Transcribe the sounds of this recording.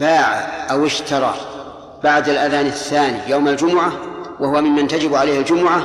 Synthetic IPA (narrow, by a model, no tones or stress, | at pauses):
baːʕaʔawɪʃt̪ɑɾˤɑ̰ | baʕd̪alʔaðaːnaθːaːnijawmald͡ʒʊmʊʕawahʊwamɪmːant̪ad͡ʒɪbʕalaːhald͡ʒʊmʊʕa